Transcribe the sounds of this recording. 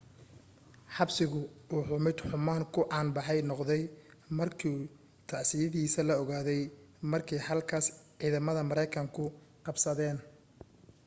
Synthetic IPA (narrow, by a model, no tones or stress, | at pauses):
ħɑbsɪɣʊuːħʊmɪd̪ħʊmaːŋkʰʊʔɑːnbɑħɛjnɔqðɛj | mɐrkʰi | t̪ʰaʕsɪjɐðiːsɐlɐɔɣaːðɛjmɐrkʰɛjhɐlkʰaːsʕiːðɐmɐðɐmɐɾɛjkʰɐŋkʰʊqɑbsɐðɛːn